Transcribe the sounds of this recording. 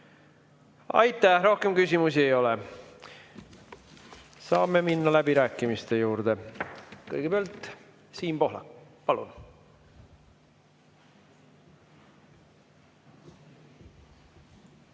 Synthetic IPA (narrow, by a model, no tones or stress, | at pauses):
ɑ̰jt̪ːˑæhɾo̞hke̞mkysʲimusiejo̞le | sɑːmːe̞minːɑlæb̥iɾæːkːˑimist̪e̞juːɾd̪̥e̞kɤ̰jɡ̥epeɑlt̪ˑ | siːnpo̞ɦlɑ̰pɑlṵn